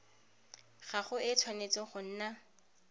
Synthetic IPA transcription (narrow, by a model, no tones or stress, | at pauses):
χaχʊɪt͡sʰwanet͡sɪχʊn̩ːna